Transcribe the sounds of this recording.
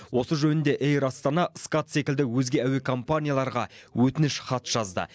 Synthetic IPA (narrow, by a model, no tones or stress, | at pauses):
wo̞səʒɵnɪnd̪e̞ʔejɾɑst̪ɑnɑskat̪se̞kʲɪld̪ɪwɵzɡʲe̞æwe̞kʰo̞mpanʲijalˠɑɾʁɑ̰wɵt̪ɪnɪʃχɑt̪ʒ̥ɑzd̪ə̰